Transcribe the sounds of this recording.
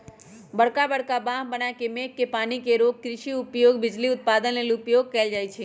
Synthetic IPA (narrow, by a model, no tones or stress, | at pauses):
bəɽkabəɽkabãɦbənakemekkepanikeɾoɡ̚kɾɪʃiʊpjoɡbɪd͡ʒliʊt̪̚pad̪ənelʊpjoɡ̚kəeld͡ʒajt͡ʃʰe